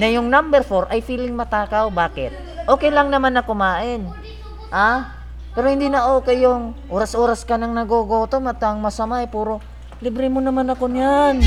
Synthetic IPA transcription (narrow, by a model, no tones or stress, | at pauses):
nɐjʊŋnambɛɾfo̞ɾʔɐjfiːlɪŋmɐt̪aːkawbaːkɪt̪̚ | ʔo̞ːkɛjlaŋnɐmanɐkomaːʔɪn | ha | pɛːɾohɪnd̪inɐʔoːkɛjoŋʔoːɾɐsʔoːɾɐskɐnɐŋnɐɡoɡoːt̪omɐt̪ːŋmɐsɐmajpuːɾo̞ | lɪbɾɛmonɐmanɐkonan